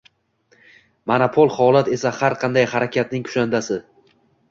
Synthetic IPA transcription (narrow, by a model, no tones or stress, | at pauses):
manapʰolˠhɒlat̪e̞sahaɾqʰɑnd̪ajhaɾakʲʰat̪̚nɪŋkʰʊ̥ʃand̪asɪ